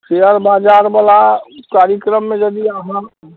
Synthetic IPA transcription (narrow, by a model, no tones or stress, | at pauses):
ʃeəɾbaːd͡ʒaːɾbəlakaːɾjəkɾəmːẽd͡ʒəd̪iaɦã